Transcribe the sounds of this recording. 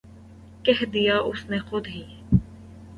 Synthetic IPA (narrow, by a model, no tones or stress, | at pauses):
kɛɦd̪ijaʊsnexʊd̪ɦiː